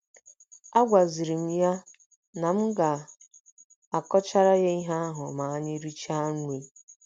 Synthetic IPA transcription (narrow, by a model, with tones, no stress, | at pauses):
a˦ɡʷa˨zi˨ɾi˨m̩˦ja˦ | na˨m̩˦ɡa˨ | a˨kɔ˦t͡ʃa˦ɾa˦ɣe˦i˦ɦa˦ɦʊ˨ma˨a˦ɲɪ˦ɾi˦t͡ʃa˦ŋ˦ŋʷe˨˦